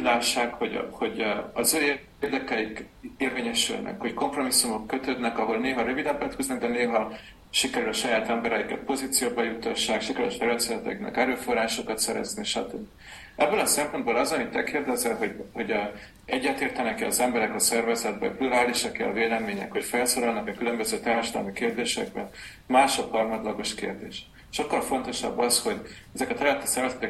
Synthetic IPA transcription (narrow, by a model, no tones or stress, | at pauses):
laːʃːaːkho̞ɟho̞ɟɒzøːe | eːrd̪ɛkɛjik | eːrveːɲɛʃy̰lnɛ̰kho̞cko̞mpro̞misːumo̞kːøt̪ød̪nɛkɒɦo̞lneːɦɒɾøvid̪ɛmpɛt̪kyznɛɡ̚d̪ɛneːɦɒ | ʃikɛɾylɒʃɒjaːt̪ɛmbɛɾɛikɛ̰t̪̚po̞ziːt̪sijoːbɒjut̪ːɒʃːaːkʃikɛɾy̰lʃɛɾɛnt̪sɛlɛt̪ɛ̰knɛ̰kɛɾøːfo̞raːʃokɒt̪sɛɾɛ̰zniʃɒ̰t̪øbːi | ʔɛbːølɒsɛmpo̞n̚boːlɒzonit̪ːɛkeːrd̪ɛzɛlɦoho̞ɟ | ʔɛɟːɛt̪eːrt̪ɛnɛkɛɒzɛmbɛɾɛkɒsɛrvɛzɛd̪̚bɛ̰pluɾaːliʃɒkɛ̰ɒveːlɛmeːɲɛ̰kho̞cfɛlsoːɾɒlnɒkɒkylø̞mbøzøːt̪aːɾʃɒd̪ɒ̰lmikeːrd̪eːʃɛɡ̚bɛn | maːʃo̞khɒrmɒt̪lɒɡo̞ʃkḛːrd̪eːʃ | ʃokːɒlfo̞n̪t̪o̞ʃɒ̰bːɒsho̞ɟ | ɛzɛkɒt̪ɛɾylɛt̪ːi̥sɛrvɛzɛt̪ɛk